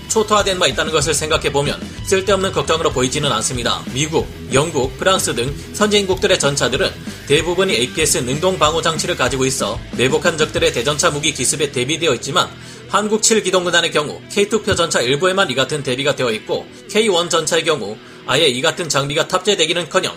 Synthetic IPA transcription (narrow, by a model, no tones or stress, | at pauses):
t͡ɕʰotʰoadwe̞nbait̚t͈anɯnɡʌs̬ʰɯɭsʰeŋɡakʰe̞bomjʌ̰ns͈ʰɯɭt͈e̞ʌmnɯnkʌk̚t͡ɕ͈ʌŋɯɾopoid͡ʑinɯnans͈ɯmɲida̰miɡuk̚ | jʌŋɡuk̚pʰɯɾaŋs͈ɯdɯŋ | sʰʌnd͡ʑeinɡuk̚t͈ɯɾe̞t͡ɕʌnt͡ɕʰadɯɾɯnte̞bubuɲieipʰie̞s͈ɯnɯŋdoŋbaŋod͡ʑaŋt͡ɕʰiɾɯɭkad͡ʑiɡois͈ʌme̞bokʰand͡ʑʌk̚t͈ɯɾe̞te̞d͡ʑʌnt͡ɕʰamuɡikisʰɯbe̞te̞bidwe̞ʌit̚t͡ɕ͈ima̰n | hanɡuk̚t͡ɕʰiɭɡidoŋɡɯdanekjʌŋṵkʰe̞itʰupʰjod͡ʑʌnt͡ɕʰaiɭbue̞maniɡatʰɯnte̞biɡadwe̞ʌit̚k͈o̰ | kʰe̞iwʌnt͡ɕʌnt͡ɕʰaek̬jʌŋu | aje̞iɡatʰɯnt͡ɕaŋmiɡatʰap̚t͡ɕ͈e̞dwe̞ɡinɯnkʰʌɲʌ̰ŋ